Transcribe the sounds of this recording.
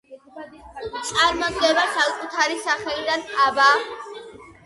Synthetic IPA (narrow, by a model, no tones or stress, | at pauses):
t̪sʼaɾmɔd̪ɡɛbasakʼut̪ʰaɾisaχɛlid̪anaba